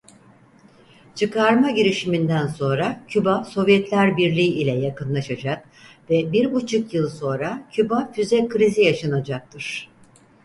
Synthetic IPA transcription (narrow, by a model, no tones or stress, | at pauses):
t͡ʃʰɯkaɾmaɟiɾiʃimind̪ænso̞nɾacʰybaso̞vjɛt̪lʲæɾbiɾlʲiːilʲɛjakɯnlˠaʃad͡ʒak̚ | vɛbiɾbut͡ʃʰukjɯlˠso̞nɾacʰybafyzɛkʰɯɾizijaʃanad͡ʒak̚t̪ʰɯɾ̥